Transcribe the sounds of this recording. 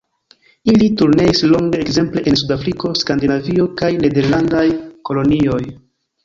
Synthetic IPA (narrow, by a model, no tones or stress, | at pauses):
ilituɾne̞islo̞ŋɡe̞ekze̞mple̞ʔensudafɾiko̞skandinaviokajne̞de̞ɾlandajko̞lo̞nio̞j